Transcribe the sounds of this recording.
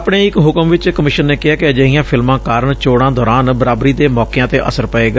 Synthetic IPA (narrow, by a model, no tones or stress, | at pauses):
pɽeːɪkɦʊkəmʋɪt͡ʃkəmɪʃənːeːkɪɦaːkɪəd͡ʒəɦɪjãːpʰɪlmãːkaːɾəɳt͡ʃoːɽãːd̪ɔːɾaːnbəɾaːbɾiːd̪eːmɔːkejãːt̪eːʔə̰səɾpəeːɡaː